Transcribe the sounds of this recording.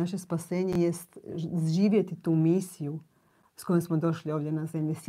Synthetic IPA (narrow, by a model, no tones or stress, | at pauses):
aʃe̞spase̞ːɲejest̪zʒiːʋjet̪it̪uːmiːsiju | sko̞jemsmod̪o̞ʃlio̞ːʋd̪jenaze̞mʎes